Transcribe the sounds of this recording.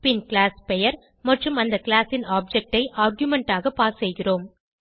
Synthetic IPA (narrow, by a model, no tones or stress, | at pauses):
pɪnkɪlaːspɛjɐɾ | mɐʈrɯmɐnd̪ɐkɪlaːsɪnaːb̚d͡ʒɛk̚ʈɐɪʔaːɾɣjʊmɛɳʈaːɣɐpaːssɛjɣɪroːm